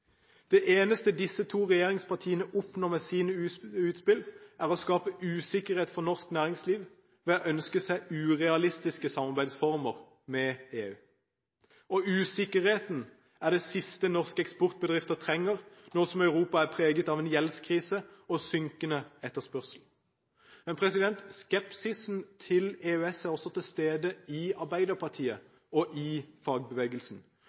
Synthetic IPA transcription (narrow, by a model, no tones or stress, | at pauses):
d̪̥ɛʔeːnəst̪əd̪ɪsːət̪ʰuːʁɛjeːʁɪŋspʰɑʁt̪ʰiːənəʔʊpnɔmɛsiːənəʉːt̪spɪlæʁɔskɑːpəʔʉːsɪkəʁheːt̪fɔʁnɔʁsknæːʁɪŋsliːʋ | ʋɛɑʔœnskəsæɪʉːʁɛɑlɪst̪ɪskəsɑmɑʁbæɪd̪sfɔʁməʁ | mɛeːʉː | ɔʔʉːsɪkəʁheːt̪n | æʁd̪ɛsɪst̪ənɔʁskəɛkspɔʁt̪̚bəd̪ʁɪft̪ət̪ʰʁɛŋːəʁnɔʁsɔmɑʉʁuːpɑæɾpʰʁeːɡət̪ɑːʋɛnjɛlskʰʁiːsəɔsʏŋkənəɛt̪ːəʁspœʁsl̩ | mɛnpʰʁɛsɪd̪ɛnt̪skɛpsɪsn̩t̪ʰɪleːʉɛsæʁɔsɔt̪ʰɪlst̪eːd̪əɪɑʁbæɪd̪əɾpʰɑʁt̪ʰiːə | ɔʔɪfɑːɡ̚bəʋeːɡəlsn̩